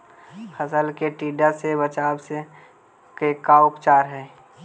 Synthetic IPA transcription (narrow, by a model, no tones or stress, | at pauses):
pʰəsəlkeʈiːɖasebət͡ʃaːbse | kekaʊpt͡ʃaːɾɦɛː